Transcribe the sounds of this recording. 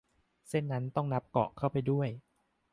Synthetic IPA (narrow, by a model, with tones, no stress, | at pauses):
se˥˩nːa˦˥nt̪ɔ˥˩ŋna˦˥p̚kɔ̰˨˩ʔkʰa˥˩wpa˧jdu˥˩əj